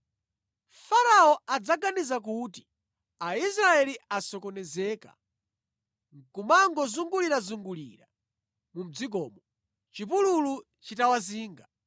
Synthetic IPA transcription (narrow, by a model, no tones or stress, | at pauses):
faɾaɔad͡zaɡanizak̬uːti̥ | ais̬ɾaɛliasɔkɔnɛzɛːka̰ | ŋ̩kumaŋɡɔzuŋɡuliɾazuŋɡulḭɾa | mum̩d͡zik̬ɔːmɔ | t͡ʃipululu | t͡ʃitawaziːŋɡa